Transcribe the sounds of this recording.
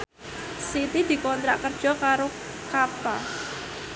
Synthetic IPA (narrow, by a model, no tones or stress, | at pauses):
sit̪id̪̥i̤kɔnt̪ɾa̰ʔkərd̥ʒ̥ɔ̤kaɾo | kapa